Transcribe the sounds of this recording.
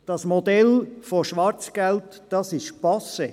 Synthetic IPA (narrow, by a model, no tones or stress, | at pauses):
d̥ɑsmod̪ɛlfɔʃʋɑɾt͡sɡ̥ɛlt̪ | d̥ɑsɪʃpɑse